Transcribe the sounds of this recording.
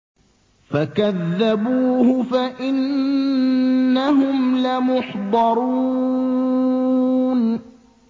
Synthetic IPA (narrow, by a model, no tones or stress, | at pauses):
fakaðːabuːhʊfaʔɪn | aɦʊmlamʊħd̪ˤɑɾuː | n